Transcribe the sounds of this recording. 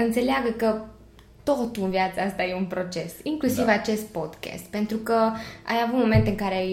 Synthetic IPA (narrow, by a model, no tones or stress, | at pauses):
ɨnt̪se̞leaɡəkə | t̪o̞t̪uɨnvjat̪saast̪ajeunpɾo̞t͡ʃe̞siŋklusivat͡ʃe̞st̪̚po̞d̪kʲḛst̪pe̞nt̪ɾukəa̰javut̪mo̞me̞nt̪ɨŋkaɾe